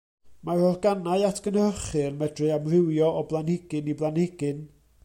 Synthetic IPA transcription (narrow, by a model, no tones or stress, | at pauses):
mahɔrɡ̥anaɨatʰɡ̥ənəəχɨrmɛdrɨamrɪwjɔʔɔblˠanhɪɡ̥ɨniblˠanhɪɡɨn